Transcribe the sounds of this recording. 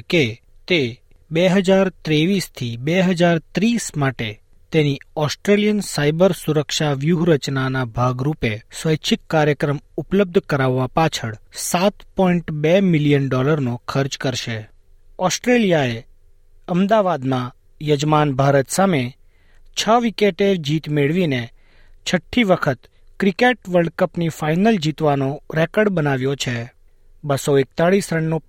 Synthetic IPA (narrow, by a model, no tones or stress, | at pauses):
ke | t̪e | beɦəd͡ʒaɾt̪ɾeʋist̪ʰibeɦəd͡ʒaɾt̪ɾismaʈe | t̪eniɔsʈɾelijənsajbəɾsuɾəkʃaʋjuɦɾət͡ʃnanabʱaɡɾupesʋəjt͡ʃʰikːaɾjəkɾəmupləb̚d̪ʱkəɾaʋːapat͡ʃʰəɽsat̪pɔiɳʈbemɪlijənɖɔləɾnõkʰəɾd͡ʒkəɾʃe | ɔsʈɾelijae | əmd̪aʋad̪mã | jəd͡ʒmanbʱaɾət̪same | t͡ʃʰəʋikeʈed͡ʒit̪meɭʋine | t͡ʃʰəʈʰːiʋəkʰət̪ | kɾikeʈʋəɾɖkəpnifainəld͡ʒit̪ʋanoɾɛkəɽbənaʋjot͡ʃʰe | bəsoek̚t̪aɭisɾəɳːo